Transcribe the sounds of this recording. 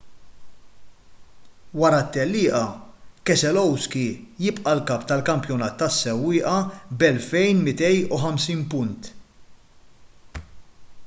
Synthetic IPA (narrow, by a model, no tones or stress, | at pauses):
wɐɾɐt̪ːɛlːɪːʔɐkɛsɛlɔwskijɪpʔɐlkɐːpːt̪ɐlkɐmpjɔnɐːt̪ːɐsːɛwːɪːʔɐbɛlfɛjnmɪt̪ɛjuħɐmsiːnpʊnt̪